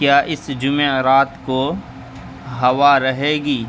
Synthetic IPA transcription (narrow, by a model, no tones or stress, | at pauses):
kjaːʔɪsd͡ʒʊmeɾaːt̪ko | ɦɐʋaɾɐɦeːɡiː